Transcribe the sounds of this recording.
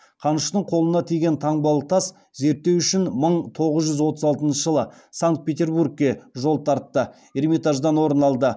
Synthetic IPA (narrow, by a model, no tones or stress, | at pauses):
qʰɑnəʃt̪əɴqʰo̞lˠənɑt̪ʰijɡʲe̞nt̪ʰɑɴbɑlˠət̪ʰɑs | ze̞ɾt̪ːe̞wʏʃɪnməɴt̪ʰo̞ʁəzʒʏzwo̞t̪əzɑlˠt̪ənʃəʒəlˠə | saŋk̚t̪̚pʲe̞t̪ʲe̞rburk̚kʲe̞ʒo̞lˠt̪ʰɑɾt̪ːə | ermit̪ɑʒd̪ɑnwo̞ɾənɑlˠd̪ə